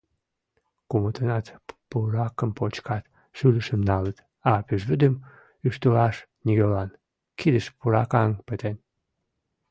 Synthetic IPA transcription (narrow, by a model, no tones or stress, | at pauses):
kumət̪ənɑt̪puɾɑkəmpot͡ɕkɑt̪ | ʃyləʃəmnɑlət̪ | ɑpyʒβəd̪əm | yʃt̪əlɑʃnʲiɣolɑn | kid̪əʃpuɾɑkɑŋpət̪en